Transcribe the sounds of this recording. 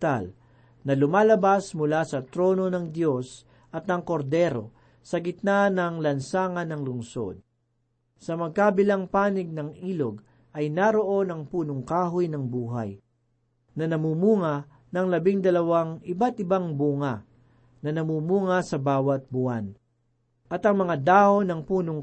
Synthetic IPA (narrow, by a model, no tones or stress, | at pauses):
t̪a̰l | nɐlʊmaːlɐbasmʊlasɐt̪ɾo̞ːno̞nɐŋd̪jo̞s | ʔɐt̪̚nɐŋko̞ɾd̪ɛɾo | sɐɡɪt̪̚nanɐŋlɐnsaːŋɐnɐŋlʊŋso̞̰d̪̚ | sɐmɐɡ̚kabɪlɐŋpaːnɪɡ̚nɐŋʔiːloɡ | ʔɐjnaɾoʔo̞nɐŋpuːnoŋkaːɦʊjnɐŋbuːɦa̰j | nɐnɐmumuːŋɐ | nɐŋlɐbɪŋd̪ɐlɐwaŋʔɪbat̪ɪbaŋbuːŋɐ | nɐnɐmuːmuːŋɐsɐbaːwɐt̪̚buan | ʔɐt̪ɐŋmɐŋad̪aːhonɐŋpuːnoŋ